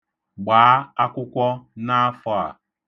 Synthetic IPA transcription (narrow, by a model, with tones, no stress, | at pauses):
ɡ͡baː˨˦a˦kʷʊ˦kʷɔ˦na˦fɔ˦a̰˨